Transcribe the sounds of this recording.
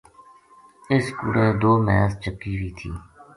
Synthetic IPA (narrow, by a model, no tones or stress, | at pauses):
ɪskṵɽẽːd̪oːmɛːst͡ʃəkːiːʋiːt̪ʰḭː